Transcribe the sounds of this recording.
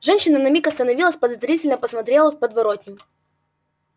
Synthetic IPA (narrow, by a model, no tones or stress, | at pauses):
ʐɛnʲɕːɪnənɐmʲikɐst̪ənɐvʲilˠəsʲpəd̪ɐzɾʲitʲɪlʲnəpəsmɐt̪ɾʲelˠəfpəd̪vɐɾot̪ʲnʲɪm